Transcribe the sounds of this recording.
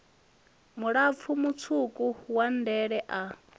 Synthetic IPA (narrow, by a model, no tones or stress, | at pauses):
muɺap̪fʰumut͡sʰukʼuhwan̩dɛɺɛʔa